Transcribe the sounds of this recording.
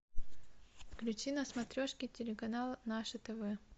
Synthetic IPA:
fklʲʉt͡ɕinɐsmɐt̪ɾʲoʂkʲitʲɪlʲɪkɐnalˠnaʂɨt̪ɛvɛ

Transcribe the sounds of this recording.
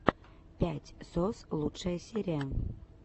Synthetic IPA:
pʲætʲsoslˠutʃesʲeɾʲæ

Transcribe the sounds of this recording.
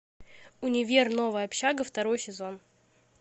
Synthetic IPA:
ʊnʲɪvʲerno̞vəjɐpɕaɡəft̪ɐɾo̞jsʲɪzo̞n

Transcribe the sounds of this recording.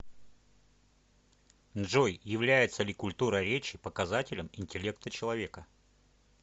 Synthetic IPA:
nʐojjɪvlʲæjɪt̪səlʲɪkʊlʲt̪uɾəɾʲet͡ɕɪpəkɐzatʲɪlʲəmɪnʲtʲɪlʲe̞k̚t̪ət͡ɕɪlˠɐvʲe̞kə

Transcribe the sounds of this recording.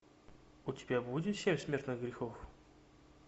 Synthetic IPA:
utʲɪbʲabudʲɪt̪fsʲemʲsmʲe̞rt̪nɨxɡɾʲɪxof

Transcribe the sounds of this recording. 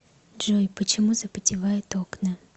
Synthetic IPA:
dʐojpət͡ɕɪmuzəpətʲɪvajɪt̪oknə

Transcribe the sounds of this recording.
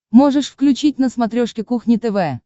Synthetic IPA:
mo̞ʐɨʂfklʲʉt͡ɕit̚ʲnəsmat̪ɾʲoʂkʲɪkuxnʲɪt̪ɛvɛ

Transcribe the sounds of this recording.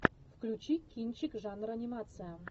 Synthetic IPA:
fklʲut͡ɕikʲːijnt͡ɕɪkʐanrɐnʲimat̪sɨja

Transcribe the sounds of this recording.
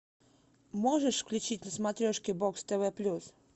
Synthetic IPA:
mɔʐəʂfklʲut͡ɕitʲnəsmat̪ɾʲɔʂkʲɪbɔkst̪ɛvɛplʲus

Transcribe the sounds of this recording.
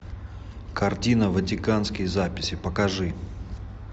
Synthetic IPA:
kɐrtʲinəvətʲɪkanskʲɪjzapʲɪsʲɪpəkɐʐɨ

